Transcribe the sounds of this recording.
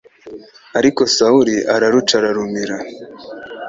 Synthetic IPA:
aɾiko̞sauɾiʔaɾaɾut͡ʃaɾaɾumiɾa

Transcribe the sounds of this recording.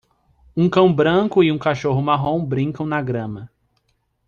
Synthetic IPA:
ũkɐ̃w̃bɾɐ̃kʊɪũkaʃoɦʊmaɦõw̃bɾĩŋkɐ̃w̃nɐɡɾɐ̃mɐ

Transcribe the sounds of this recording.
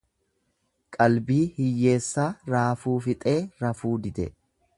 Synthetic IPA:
kʼɐlbiːhɪjːe̞ːsːaːɾaːfuːfɪt̪ʼe̞ːɾɐfuːd̪ɪd̪ɛ

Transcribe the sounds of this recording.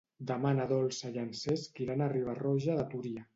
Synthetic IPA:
d̪amanaðɔlˠsaʎanseskiɾanariβ̞arɔʒaðat̪uɾia

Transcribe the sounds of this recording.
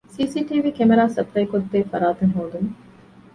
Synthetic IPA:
siːsiːʈiːʋiːkemeɾaːsɐpɾɐjkod̪ːeːfɐ̰ɾaːt̪ɐnɦoːd̪um

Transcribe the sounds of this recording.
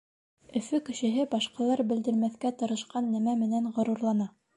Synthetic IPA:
ɵ̆fɵkɘ̆ʃɘ̆ɦɘbɑʃqɑlˠɑɾbɘ̆ld̪ɘ̆lmæθkæt̪ɤ̆ɾɤ̆ʃqɑnːæmæmɘ̆nænʁŏɾuɾlˠɑnɑ

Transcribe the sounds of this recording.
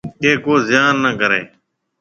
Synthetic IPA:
eːkoːzɪjaːnːəkəɾḛː

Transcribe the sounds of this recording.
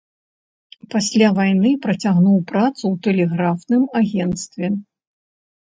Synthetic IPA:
pasʲlʲavajnɨpɾɐt͡sʲaɣnuwpɾat̪suwt̪ɛlʲɛɣɾafnɨmaɣʲɛnt̪st̪vʲɛ

